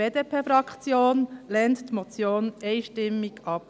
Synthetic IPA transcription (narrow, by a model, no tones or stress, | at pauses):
eːd̪epʰeːfɾɑkt͡sjoːnlɛnttmɔt͡sjoːnɛɪʃtɪmːɪɡɑp̚